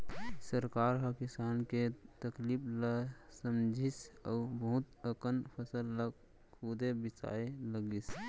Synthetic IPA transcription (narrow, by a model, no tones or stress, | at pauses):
səɾkaɾɦəkisanket̪əklipʰləsəmd͡ʒʱisə̰ʊbəɦut̪əkənpʰəsəlːə | kʰud̪ebit͡ʃa̰eləɡis